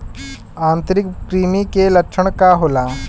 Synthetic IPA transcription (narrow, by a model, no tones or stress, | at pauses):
ãːnt̪əɾɪkkɾiːmikelɐkʃʰəɳ̃kaɦoːlaː